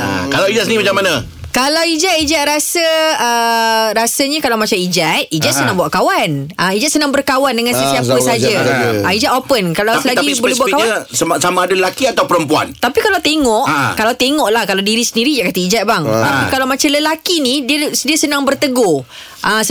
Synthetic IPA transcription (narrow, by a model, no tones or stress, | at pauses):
kalawid͡ʒat̪səniimat͡ʃamːanã | kalawid͡ʒaʔ̪̚id͡ʒaʔ̪̚ɾasəəɾasaɲakalawmat͡ʃamid͡ʒat̪̚id͡ʒaʔ̪sənaŋbuaʔ̚kawanaid͡ʒat̪̚sənãŋbərkawandəŋansəsiapsəsad͡ʒaaid͡ʒat̪opənkalawsəlaɡibolehbuaʔkaassamãːdaləlakiat̪awpəɾəmpua̰nt̪apikalawt̪eŋɔʔkalawt̪eŋɔʔlahkalawdiɾisəndiɾid͡ʒaʔ̚kat̪əid͡ʒat̪̚baŋt̪apikalawmãt͡ʃamləlakinidiəsdiəsənãŋbərt̪əɡo | ʔas